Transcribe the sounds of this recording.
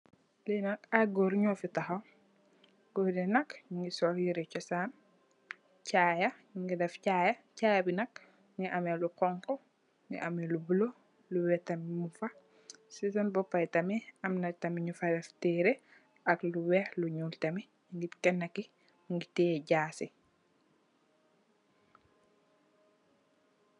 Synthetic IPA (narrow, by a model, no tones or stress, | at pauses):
linɐkaɡɔɾɲɔːfitɐxɐw | ɡ̥ɔdɛnɐkɲuŋɡisɔːhjiɾɛt͡ʃɔsaːn | t͡ʃaːjɐɲuŋɡidɛfcaːjɐcaːjɐbinɐk̚ | ŋɡiʔamɛlukɔŋkɔ | ŋɡḭʔamɛlubulo | luwɛtɐmimufa | sisɐnbɔpːajtɐmɛɐmnatɐmiɲufadɛftɛːɾɛ | ʔɐkluwɛhluɲuːltɐmi | ŋɡikɛnːaki | ŋɡitɛːɟaːsɛ